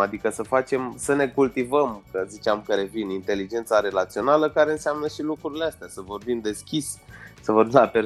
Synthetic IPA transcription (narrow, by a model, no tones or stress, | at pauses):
ad̪ikəsəfat͡ʃe̞msəne̞kult̪ivəmkəzit͡ʃeamkəɾe̞vinint̪e̞lid͡ʒe̞nt̪saɾe̞lat̪sio̞naləkaɾe̞ɨnseamnəʃilukɾuɾileast̪easəvo̞rbimd̪e̞skʲisʲsəvo̞rbimlape̞ɾ